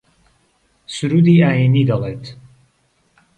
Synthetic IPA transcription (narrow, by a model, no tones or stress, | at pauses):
suɾuːd̪iːaːjiniːd̪ɐleːt̪ʰ